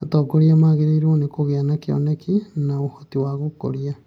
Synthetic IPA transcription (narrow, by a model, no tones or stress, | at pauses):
atɔːkoɾiamaɣeɾeiɾonekoɣeanakeɔ̰nɛkinaohotiwaɣoko̰ɾia